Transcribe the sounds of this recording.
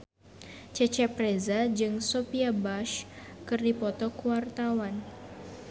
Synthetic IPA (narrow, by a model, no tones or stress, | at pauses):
t͡ʃɛt͡ʃɛprezad͡ʒɨŋsopiabaʃkɨrdipɔt̪ɔkuwart̪awan